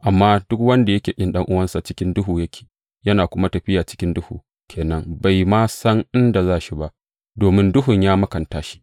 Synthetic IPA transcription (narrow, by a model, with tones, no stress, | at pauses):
ʔa˨mːaː˦dʊ˦k̚wɐ˦nda˨jɐ˦kʲeː˨kʲʼɪ˦nɗɐ˦ŋʔʊ˦wɐ˦nsa˨t͡ʃɪ˦kʲɪ˦ndʊ˦ɦuː˨jɐ˦kʲʰe̥ː˨ | jɐ˦naː˨kʷʊ˦ma˦tɐ˨ɸɪ˦jaː˨t͡ʃɪ˦kʲɪ˦ndʊ˦huː˨ | kʲʰeː˨nɐ˦ŋba˨jmaː˦sɐ˦ŋʔɪ˦nda˨zaː˦ʃi˦ba˦ʔ | doː˨mɪ˦ndʊ˦ɦʊ˨ɲjaː˦mɐ˦kɐ˨ntaː˦ʃi̥˦